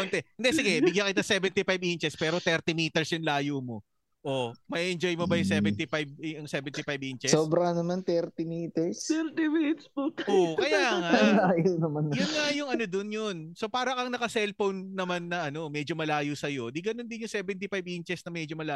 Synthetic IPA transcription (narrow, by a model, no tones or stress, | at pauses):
ont̪ɛʔɪnd̪ɛsɪɡɛbɪɡjɐŋkɪt̪asɛvɛnt̪ifajbʔint͡ʃɛspɛːɾo̞t̪ɛɾt̪ɪmiːt̪ɛɹsjʊŋlaːjumo̞ | ʔomɐʔiʔɛnd͡ʒojmobɐjʊŋsɛvɛnt̪ifajb̚ɐŋsɛvɛnt̪ifajbʔint͡ʃɛsoːbɾɐŋnɐmant̪ɛɾt̪ɪmiːt̪ɛɹst̪ɛɾt̪ɪmit̪spoʔokɐjaːŋalaːjonɐmanjʊnŋajʊŋɐnod̪onjonso̞paːɾɐkɐŋnɐkɐsɛlfownːɐmanːɐʔɐno̞mɛd͡ʒomɐlaːjusɐjo̞d̪iɡɐno̞nd̪ɪnjʊŋsɛːbɛnt̪ifajbʔint͡ʃɛsnɐmɛd͡ʒomɐlaː